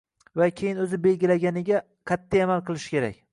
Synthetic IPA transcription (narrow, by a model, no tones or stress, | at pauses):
vakʲʰejɪnɵzɪbe̞lɡʲɪlaɡʲanɪɡʲa | kʲʰat̪ʰːaamalˠqɨlˠɪʃɪ̥kʲʰe̞ɾa̰k̚ʲ